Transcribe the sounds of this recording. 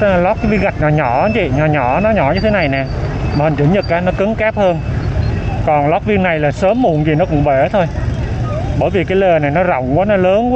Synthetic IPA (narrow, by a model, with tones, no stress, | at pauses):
lɔ˦˥k̚aː˨˦jvi˧əŋɣa˨˩jk̚naː˨˩ɲɔ˧˩˦t͡ɕḭ˧˨ɲɔ˨˩ɲɔ˧˩˦nɔ˨˦ɲɔ˧˩˦ɲɨ˧t̪ʰe˨˦na˨˩jnɛː˨˩ | maː˨˩hə˨˩ŋt͡ɕɨ̰˧˩˦ɲɨ˨˩k̚kaː˨˦nɔ˨˦kɨ˨˦ŋkaː˦˥p̚həː˧n | kɔ˨˩nlɔ˦˥k͡p̚vi˧əŋna˨˩jlaː˨˩səː˨˦mːu˧˩ənzi˨˩nɔ˨˦˥kʊ̰˧˩˥ŋ͡mɓe˧˩t̪ʰo˧j | ɓəː˧˩jvi˨˩kaː˨˦jle˨˩na˨˩jnɔ˨˦zə̰˧˩wŋ͡mkwaː˨˦nɔ˨˦ləː˨˦nkwa˦